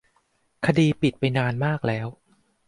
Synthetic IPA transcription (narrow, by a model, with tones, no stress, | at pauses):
kʰa˧diː˧pi˨˩t̪̚pa˧jnaː˧nmaː˥˩k̚lɛː˦˥w